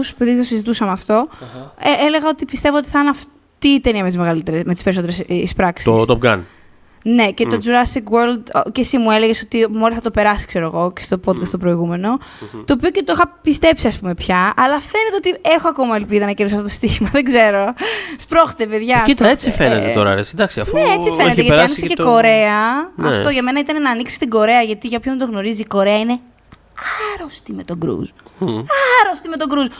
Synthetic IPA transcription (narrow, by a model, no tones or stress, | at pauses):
su̥speðit̪osizit̪usɐmɐft̪o̞eele̞ɣɐo̞t̪ipist̪e̞voot̪iθɐɐnɐf | t̪iːt̪eniɐmet̪izmeɣɐlit̪e̞ɾesmet̪ispe̞ɾiso̞t̪eɾesispɾɐksiost̪op̚ɡɐ̰n | ne̞ce̞t̪o̞d͡zuɾɐsikweɾld̪cesimue̞leʝeso̞t̪imo̞lisθɐt̪o̞pe̞ɾɐsi̥kse̞ɾoeɣo̞cest̪o̞po̞d̪kɐst̪opɾo̞iɣume̞no̞t̪o̞ːp̬io̞ce̞t̪oixɐpist̪e̞psiɐspume̞pçɐɐlɐfe̞net̪e̞ot̪ie̞xoɐko̞mɐe̞lpiðɐnɐceɾðisoɐft̪ot̪ost̪içimɐðeɡze̞ɾospɾo̞xt̪epe̞ðʝɐt̪et͡sifenet̪eo̰ɾɐ̰ɾesid̪ɐksiɐfnneet͡sife̞net̪eʝɐiɐnikseceko̞ɾe̞ɐnfft̪o̞ʝɐme̞nɐit̪ɐne̞nɐːniksi̥st̪iɡo̞ɾe̞ɐʝɐt̪iʝɐpçomet̪o̞ɣno̞ɾiziːko̞ɾe̞ɐine̞ | ɐɾost̪ime̞t̪o̞ɡɾṵzɐɾost̪imet̪oɡɾuz